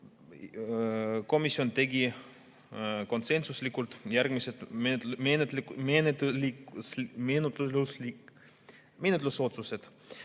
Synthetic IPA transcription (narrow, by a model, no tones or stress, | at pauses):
ko̞misːio̞nt̪e̞ɡi | ko̞nse̞nsuslikːult̪jærɡ̥miset̪menet̪menet̪liksmenut̪lulusli | menet̪ːˑluso̞t̪suse̞d̪̥